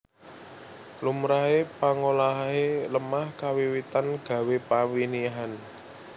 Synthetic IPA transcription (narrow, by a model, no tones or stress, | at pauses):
lumɾaɦepaŋolaɦaeləmahkawiwit̪anɡ̥ä̤wepawiniɦan